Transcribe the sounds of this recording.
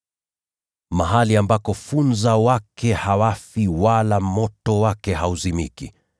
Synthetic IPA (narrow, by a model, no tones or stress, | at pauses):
maɦaliambakɔfunzawakɛhawafiwalamɔtɔwakɛhauzimḭki